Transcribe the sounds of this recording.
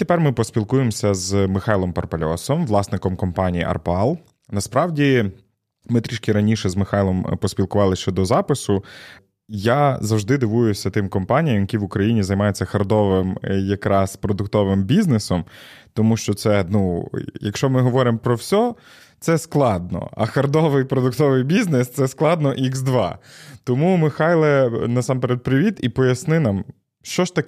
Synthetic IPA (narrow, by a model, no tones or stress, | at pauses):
t̪epɛrmɪpɔsʲpʲilˠkujemsʲɐzmɪxɑjlˠɔmpɐrpɐlʲɔsɔmʋlˠɑsnɪkɔmkɔmpɑnʲijḭʔɐ̰rpɑlˠ | nɐspɾɑʋdʲi | mɪt̪ɾʲiʃkʲiɾɐnʲiʃɛzmɪxɑjlˠɔmpɔsʲpʲilˠkʊʋɑlˠɪʃt͡ʃɔd̪ɔzɑpɪsʊ | jazɐwʒd̪ɪd̪ɪʋujʊsʲɐt̪ɪmkɔmpɑnʲijɐmjɐkʲiʋʊkɾɐjinʲizɐjmɑjʊt͡sʲːɐxɐrd̪ɔʋɪmjɐkɾʔɑspɾɔd̪ʊkt̪ɔʋɪmbʲiznesɔmt̪ɔmuʃt͡ʃɔt̪sɛnujɐkʃt͡ʃɔmɪɦɔʋɔɾɪmpɾɔwsʲɔ | t̪sɛsklˠɑd̪̚nɔ̰ɐ̰xɐrd̪ɔʋɪjpɾɔd̪ʊkt̪ɔʋɪjbʲiznest̪sɛsklˠɑd̪nɔʔiɡzd̪ʋɑ̰t̪ɔmumɪxɑjlˠɛnɐsɑmpeɾet̪̚pɾɪʋʲit̪ipɔjɐsnɪnɑm | ʃt͡ʃɔʃt̪ɐk